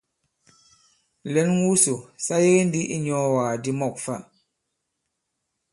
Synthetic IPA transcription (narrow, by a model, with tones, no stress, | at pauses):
lɛ˨˦nŋu˦so˨sa˦je˦n˦di˦ʔi˦ɲɔ˦waː˨di˦mɔ˦˨k̚fa̰˦ʔ